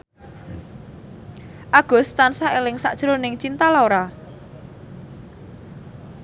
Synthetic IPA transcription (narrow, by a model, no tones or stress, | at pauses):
ʔaɡ̥ɔ̤st̪ansaʔelɪŋsa̰ʔd̥ʒ̥ɾonɪŋt͡ʃint̪aloɾa